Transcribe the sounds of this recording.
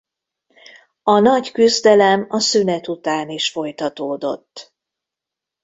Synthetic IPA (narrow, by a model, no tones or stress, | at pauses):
ɒnɒɟkyzd̪ɛlɛmɒsynɛt̪ut̪aːniʃfo̞jt̪ɒt̪oːd̪o̞̰t̪ː